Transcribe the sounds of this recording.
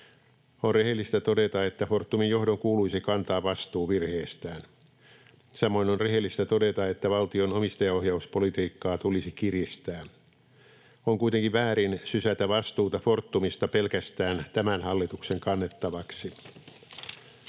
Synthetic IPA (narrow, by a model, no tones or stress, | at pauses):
onrehelːist̪æt̪odet̪ɑe̞t̪ːæfort̪ːumijjo̞hdoŋkuːluisikɑnt̪ɑːʋʋɑst̪uːʋirheːst̪æːn | sɑmo̞inonreɦelːist̪æt̪odet̪ɑet̪ːæʋɑlt̪ionomist̪ɑjɑoɦjɑuspolit̪iːkːɑːt̪ulisikirist̪æː | oŋkuit̪eŋkiʋʋæːɾinsysæt̪æʋɑst̪uːt̪ɑfort̪ːumist̪ɑpelkæst̪æːnt̪æmænhɑlːit̪ukseŋkɑnːet̪ːɑʋɑksi